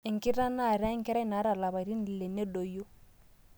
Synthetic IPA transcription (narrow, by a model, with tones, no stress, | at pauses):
ɛ˨ŋ˨ki˦ɾa˦na˦˨ɾa˦i˦ŋkɛ˦ɾa˦i˦na˨˦ɾa˦˨la˨βa˨ɾi˦n˨lɛ˨nɛ˦dɔ˨jo˦